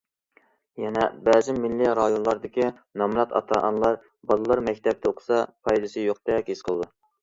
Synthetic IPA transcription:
jɛnɛbɛːzɪmilːiɾɑjonlˠɑɾd̪ɪkʲi | nɑmɾɑt̪ɑ̰t̪ʰɑʔɑnlˠɑɾ | bɑlˠɨlˠɑɾmɛkʲt̪ʰɛp̚t̪ʰɛoqʰʊ̥sɑpʰɑjd̪ɨsɨjoq̚d̪ɛkʲisqʰəlˠd̪u

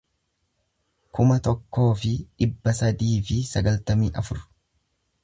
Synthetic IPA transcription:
kʊmɐt̪ɔkːo̞ːfɪᶑɪbːɐsɐd̪iːfɪsɐɡɐlt̪ɐmiːʔɐfʊɾ

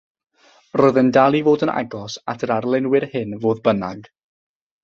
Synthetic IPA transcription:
rɔjðəndalˠivoːdəna̰ɡɔsatʰəɾarlˠɛnwɪrhɨnvoːðbənaɡ̥

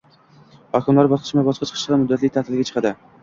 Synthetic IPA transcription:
hɒkʲʰɪmlaɾbɒsqʰɨ̥ʃmabɒʃqʰɑt͡ʃʰɨqʰɨʃlɑmʊd̪ːat̪lɪk̚ʲt̪ʰat̪ʰɪlɡʲat͡ʃʰɨ̥qʰɑd̪ɪ

